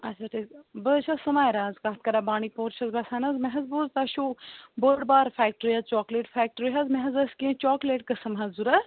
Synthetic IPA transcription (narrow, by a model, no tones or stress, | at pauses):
ɐt͡ʃʰaʈʰiːkbət͡ʃʰɐsɐmaːjɾãːzkaːt̪̚kɐɾaːbaːɳipoːɾt͡ʃʰɐzbɐsaːnɐzmɐɦɐzboːzt̪ɐʃuːbəːɖbaːɾfaːk̚ʈəɾiɦɐzt͡ʃɔːkleːʈfɛːk̚ʈəɾiɦɐzmɐɦɐzɐskĩt͡ʃɔːkleːʈ̚kɐsɐmɦɐzuɾɐ